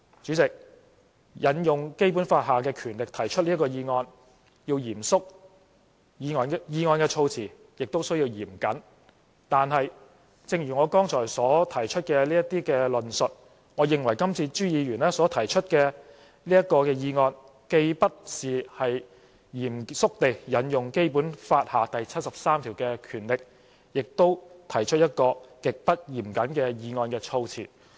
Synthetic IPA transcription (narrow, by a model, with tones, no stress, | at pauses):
t͡ʃy˨˥t͡sɪ˨k̚ | jɐ˨˥njʊ˨ŋke˥jpu˨˥nfaː˧t̚ɦaː˨˩kɛː˧kʰyː˨˩nlɪ˨k̚t̪ʰɐ˨˩jt͡ʃʰɵ˥t̚liː˥kɔː˧jiː˧ŋɔː˧n | jiː˧wjiː˨˩msʊ˥k̚ | jiː˧ŋɔː˧njiː˧ŋɔː˧nkɛː˧t͡ʃʰo˧wt͡sʰiː˨˩ | jɪ˨k̚t̪o˥wsɵ˥ɥjiː˧wjiː˨˩mkɐ˨˥n | t̪aː˨nɦɐ˨j | t͡sɪ˧ŋjyː˨˩ŋɔː˨˧kɔː˥ŋt͡sʰɔː˨˩jsɔː˨˥t̪ʰɐ˨˩jt͡ʃʰɵ˥t̚kɛː˧liː˥jɐ˥t̪iː˥kɛː˧lɵ˨nsɵ˨t̚ | ŋɔː˨˧jɪ˨ŋwɐ˨˩jkɐ˥mt͡sʰiː˧t͡ʃyː˥jiː˨˧ɥyː˨˩nɛː˥sɔː˨˥t̪ʰɐ˨˩jt͡ʃʰɵ˥t̚kɛː˧ | liː˥jɐ˥t̚kɔː˧kɛː˧jiː˧ŋɔː˧n | ke˧jpɐ˥t̚siː˨hɐ˨j | jiː˨˩msʊ˥k̚t̪e˨jːɐ˨˥njʊ˨ŋke˥jpuː˨˥nfaː˧t̚haː˨t̪ɐ˨jt͡sʰɐ˥t̚sɐ˨p̚saː˥mt̪ʰiː˨˩wkɛː˧kʰyː˨˩nlɪ˨k̚ | jɪ˨k̚t̪o˥wt̪ʰɐ˨˩jt͡ʃʰɵ˥t̚jɐ˥t̚kɔː˧kɪ˨k̚pɐ˥t̚jiː˨˩mkɐ˨˥nkɛː˧jiː˨˧ŋɔː˧nkɛː˧t͡sʰo˧wt͡sʰḭː˨˩